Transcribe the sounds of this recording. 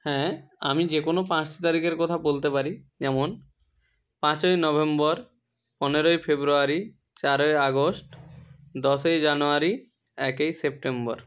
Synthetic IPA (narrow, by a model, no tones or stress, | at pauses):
hɛ̃amid͡ʑekonopãsʈi̥t̪aɾikeɾkɔt̪ʰabolt̪epaɾid͡ʑɛmon | pãt͡ɕojnɔβembɔɾ | pɔneɾoefebɾuaɾi | t͡ɕaɾoeaɡosʈ | d̪ɔʃejd͡ʑanoaɾi | ɛkejsep̚ʈembɔɾ